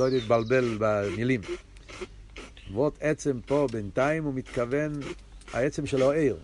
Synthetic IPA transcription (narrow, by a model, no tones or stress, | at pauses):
oit̪̚balbe̞lbamilim | vot̪et͡se̞mpo̞bent̪aimumit̪kave̞n | ha̰et͡semʃeloeʁ